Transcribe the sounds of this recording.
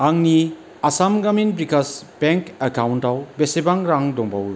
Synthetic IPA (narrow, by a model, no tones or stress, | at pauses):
aŋni | asamɡaminbɾikasb̥eŋkekawntawbesebaŋɾaŋdɔŋbawɾu